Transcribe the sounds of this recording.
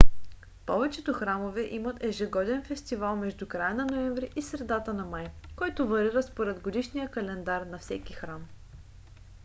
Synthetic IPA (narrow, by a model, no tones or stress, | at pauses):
pɔvɛt͡ʃɛt̪oxɾamovɛʔimɐt̪ɛʒɛɡɔd̪ɛnfɛst̪ivalˠmɛʒd̪ukɾajənɐnoɛmɱvɾiʔisɾɛd̪at̪ənɐmajkɔjt̪ʊvɐɾiɾəspoɾɛd̪ɡod̪iʃnijəkɐlɛnd̪aɾnɐfsɛkixɾam